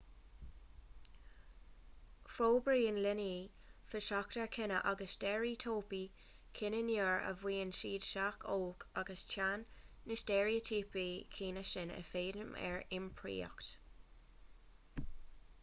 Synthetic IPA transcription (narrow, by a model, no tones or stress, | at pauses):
fɾoːbɹiːənlɪni | fɪʃaktəɹkʰɪnəʔaɡəsd̥ɛɹit̪ʰoːpi | kʰɪnəniɹə̰vwiːənʃiːd̥ʃakʰoːkʰaɡəst͡ʃʰanːɪsdɛːɹitʰiːpikʰiːnəʃɪnə̰feːdəmɛ̰ɹɪmpʰɹḭːə̰kt̪